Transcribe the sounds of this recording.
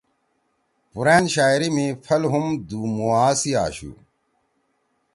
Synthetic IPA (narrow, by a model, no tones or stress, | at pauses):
puɾeːnɕaːjɾimifʰɐlɦumd̪uːmuaːsia̰ːɕṵ